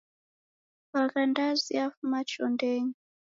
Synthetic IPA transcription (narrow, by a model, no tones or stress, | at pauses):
βakandaziafumat͡ʃɔndɛːɲi